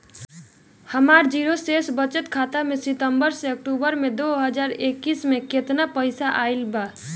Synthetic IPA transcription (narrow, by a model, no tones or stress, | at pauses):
həmaɾd͡ʒiɾosesbət͡ʃət̪kʰat̪amesit̪əmbəɾseək̚ʈubəɾmed̪oɦəd͡ʒaɾekːismekʰet̪napəɪsaʔailba